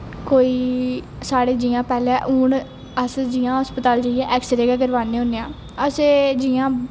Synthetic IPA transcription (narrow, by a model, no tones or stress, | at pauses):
koːiː | saːɽeːd͡ʒiːãːpɛːlɛ̃ːʔuːɳ | əsd͡ʒiːãːɦəspət̪aːld͡ʒaːiɛːʔɛːksəɾeːkɛːkəɾʋaːneːɦõːneːãː | əseːd͡ʒiːãː